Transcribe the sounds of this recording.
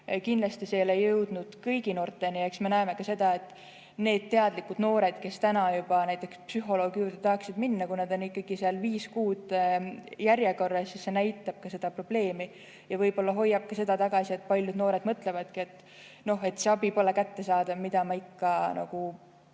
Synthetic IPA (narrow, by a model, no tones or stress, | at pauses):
kind̪lɑst̪isejlejɤwd̪̥nud̪̥kɤjɡ̥ino̞ːrt̪ːˑe̞nie̞ksme̞næeme̞kɑse̞d̪̥ɑe̞t̪ːˑ | ne̞ːd̪̥̚t̪ːe̞ɑd̪̥likːud̪̥no̞ːɾe̞d̪̥ke̞st̪ænɑjub̥ɑnæjt̪ːˑe̞kspsyɦo̞lo̞ːɡ̥juːd̪et̪ɑhksid̪̥minːɑkunɑd̪o̞nikːɑɡ̥iseɑlviːskuːd̪̥ | jæɾjeko̞rːɑsisːe̞næjt̪ːˑɑb̥̚kɑse̞d̪̥ɑpro̞b̥le̞ːmi | jɑvɤjbo̞lːɑɦo̞jːɑb̥̚kɑse̞d̪ɑt̪ɑɡ̥ɑsie̞t̪ːˑpɑlʲjud̪no̞ːɾe̞d̪̥mɤt̪ːˑle̞vɑd̪̥kie̞t̪ːˑ | no̞ɦe̞t̪ːˑse̞ɑbipo̞le̞kæt̪ːe̞sɑːd̪̥ɑmid̪̥ɑmɑikːɑnɑ̰ɡ̥u